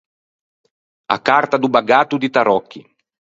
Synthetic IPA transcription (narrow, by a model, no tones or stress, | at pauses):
a̰kart̪ad̪ubaɡaːt̪ud̪it̪aɾɔkːḭ